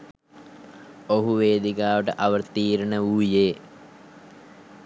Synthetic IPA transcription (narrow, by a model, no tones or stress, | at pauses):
oɦuʋeːd̪ikaːʋəʈəʔɐʋərt̪iːɾəɳəuːjeː